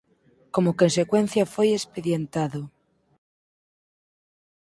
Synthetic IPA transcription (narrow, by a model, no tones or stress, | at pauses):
komokonsekwenθjafojespeðjent̪aðo